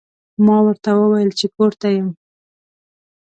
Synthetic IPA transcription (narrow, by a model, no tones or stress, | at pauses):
mɑwəɾt̪awəwajəlt͡ʃekoɾt̪ajəm